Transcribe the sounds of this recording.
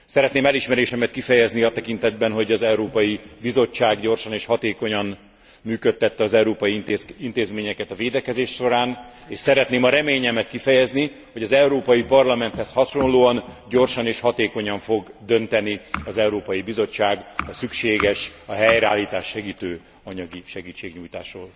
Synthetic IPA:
sɛɾɛt̪neːmɛliʃmɛɾeːʃɛmɛt̪kifɛjɛzniɒt̪ɛkin̪t̪ɛd̪̚bɛnɦo̞ɟɒzɛuɾoːpɒjibizo̞t͡ʃːaːɡɟo̞rʃɒneːʃhɒt̪eːko̞ɲɒn | myːkøt̪ːɛt̪ːɛɒzɛuɾoːpɒjiint̪eːzmeːɲɛkɛt̪ɒveːd̪ɛkɛzeːʃʃo̞ɾaːn | eːʃsɛɾɛt̪neːmɒɾɛmeːɲɛmɛt̪kifɛjɛzni | hoɟɒzɛuɾoːpɒjipɒrlɒmɛnt̪hɛshɒʃo̞nloːɒnɟo̞rʃɒneːʃhɒt̪eːko̞ɲɒɱfo̞ɡd̪ø̞nt̪ɛniɒzɛuɾoːpɒjibizo̞t͡ʃːaːɡɒsykʃeːɡɛʃɒɦɛjɾɛa̰ːlːiːt̪aːʃːɛɡiːt̪øː | ɒɲɒɡiʃɛɡiːt͡ʃːeːɡɲuːjt̪aːʃroːl

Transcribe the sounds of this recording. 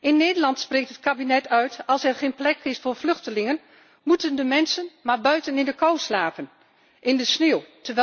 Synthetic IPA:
ʔɪnːeːdərlɑntspreːktətkabinɛtʰœɥtʰɑlˠsɛrχeːnplɛkʰɪsfoːrflʏxtəlɪŋən | mutəndəmɛnsənmarbœɥtənɪndəkɔwslaːpən | ʔɪndəsnewtəʋɛ

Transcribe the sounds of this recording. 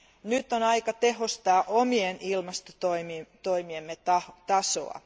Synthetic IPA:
nyt̪ːˑonɑikɑt̪eɦost̪ɑːʔomienilmɑst̪ot̪oimit̪oimiemːet̪ɑt̪ɑso̰ɑ̰

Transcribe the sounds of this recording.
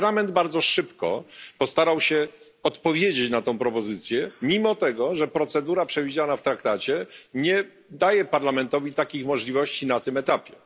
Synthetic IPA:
lamɛnd̪baɾd̪zɔʂɘpkɔ̰pɔst̪aɾawɕɛ | ɔt̪pɔvʲjed͡ʑet͡ɕnat̪ɔ̃w̃pɾɔpɔzɘt̪sʲjɛmʲimɔt̪ɛɡɔʐɛpɾɔt̪sɛd̪uɾapʂɛvʲid͡ʑanaft̪ɾakt̪at͡ɕɛɲɛ | d̪ajɛpaɾlamɛnt̪ɔvʲit̪akʲixmɔʐlʲivɔɕt͡ɕinat̪ɘmɛt̪apʲjɛ

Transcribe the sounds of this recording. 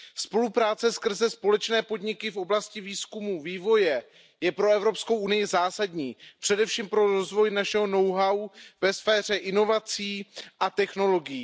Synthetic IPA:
spo̞lupɾaːt͡sɛskr̩zɛspo̞lɛt͡ʃnɛːpo̞dɲɪkɪfʔo̞blascɪviːskumuːviːvo̞jɛ | jɛpɾo̞ɛvɾo̞pskowʔunɪjɪzaːsadɲiːpr̝̥ɛdɛfʃiːmpɾo̞ɾozvo̞jnaʃɛɦo̞no̞wɦawvɛsfɛːr̝ɛʔɪno̞vat͡siːʔat̪ɛxno̞lo̞ɡɪjiː

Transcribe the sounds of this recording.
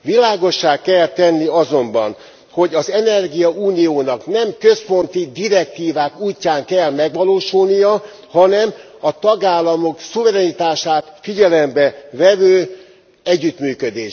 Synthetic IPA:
ʋilaːɡo̞ʃːaːkkːɛlt̪ɛnːiɒzo̞mbɒ̰n | ho̞ɟɒzɛnɛrɡijɒʔuːnijoːnɒknɛmkø̞spo̞nt̪id̪iɾɛk̚t̪iːvaːkuːcːaːŋkɛlmɛɡʋɒloːʃulnijɒ | hɒnɛm | ɒt̪ɒɡaːlːɒmo̞ksuvɛɾɛnit̪aːʃaːt̪fiɟɛlɛmbɛvɛvøː | ɛɟːyt̪myːkød̪eː

